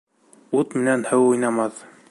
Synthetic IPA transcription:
ut̪mɘ̆nænhɘwujnɑmɑθ

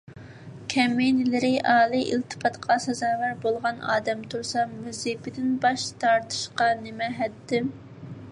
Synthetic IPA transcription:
kʲʰɛmːenɪlɪɾɪʔɑːlˠɨʔilt̪ʰɨ̥pʰɑt̪qʰɑsɛzɑːvæɾbolˠʁɑnɑ̰ːd̪ɛmt̪ʰuɾsɑmyzipɪd̪ɪnbɑʃt̪ʰɑɾt̪ʰɨ̥ʃqɑnɪmɛɦɛt̪ʰːɪ

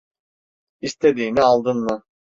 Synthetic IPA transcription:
ist̪ʰed̪iːnialˠd̪ɯnmɯ

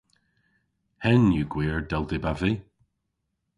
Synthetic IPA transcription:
hɛnjuɡ̥wiːɹdɛlˠdɪbavi

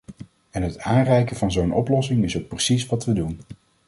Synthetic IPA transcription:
ɛnɦətaːnrɛjkəvɑnzownʔɔ̰plɔsɪŋɪsowk̚prəsisʋɑtʋədun

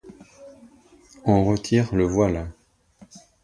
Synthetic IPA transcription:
ɑ̃ʁət̪ʰiʁləvwal

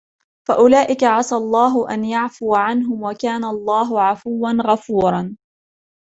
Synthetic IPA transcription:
faʔʊlaːʔɪkaʕɑsalˤːɑːɦʊʔa̰njaʕfʊwaʕanɦʊmwakaːnalˤːɑːɦʊʕafʊwːanɣafuːɾˤɑn

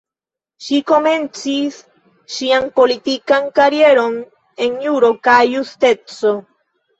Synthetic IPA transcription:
ʃikomẽnt͡sis | ʃiaŋpolit̪ikaŋkaɾjeɾon | eŋeuɾokajust̪et͡so

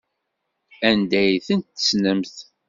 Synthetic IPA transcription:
ænd̪æjθənt̪ːə̥snəmθ

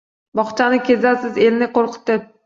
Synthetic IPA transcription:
bɒχt͡ʃʰanɪkʲʰe̞zasɪze̞lnɪqʰoɾqʰɨ̥t̪ːɪ

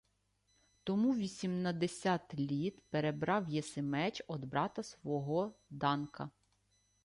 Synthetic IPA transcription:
t̪ɔmuʋʲisʲimnɐd̪esʲɑt̪lʲit̪peɾebɾɑwjɛsemɛt͡ʃɔd̪bɾɑt̪ɐsʋɔɦɔd̪ɑnkɐ

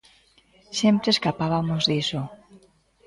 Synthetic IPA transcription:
sempɾeskapaβamozðiso

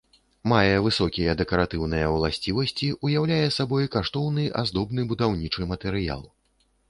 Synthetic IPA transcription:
majɛvɨsɔkʲijɐd̪ɛkɐɾat̪ɨwnɐjɐwlˠasʲt͡sʲivɐsʲt͡sʲiʔujawlʲajɛsabɔjkaʂt̪ɔwnɨʔa̰zd̪ɔbnɨbud̪awnʲit͡ʂɨmɐt̪ɛɾɨja̰lˠ

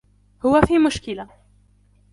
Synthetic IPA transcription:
hʊwafiːmʊʃkɪla

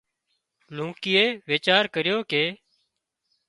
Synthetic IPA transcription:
lũːkɪːeːʋeːt͡ʃaːɾkəɾɪjoːkeː

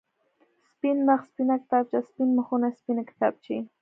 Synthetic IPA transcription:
spinmaχspinakt̪ap̚t͡ʃaspinmaχʊnaspinakt̪ap̚t͡ʃi

